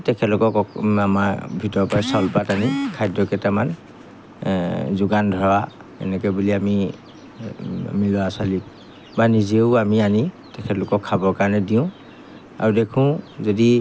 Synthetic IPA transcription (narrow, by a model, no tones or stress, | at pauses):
tɛkʰɛlʊkɔkɔamaɹbʱitɔɹpajsalpatanikʰajdɔkɛtaman | zʊɡandʱɔɹa | ɛ̰nɛk̬ɛbuliami | milɔasali | banizieʊamiani | tɛkʰɛtlʊkɔkʰːabɔɹkaɹɔnɛdiʊ̃ | a̰ɹudekʰʊ̃zodi